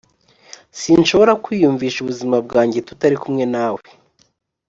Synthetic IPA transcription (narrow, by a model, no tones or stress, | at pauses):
sinʃo̞βo̞ɾakwiːjuɱviːʃuβuzimab̚ɡaːɲɟe̞tu̥taɾikumŋe̞naːwe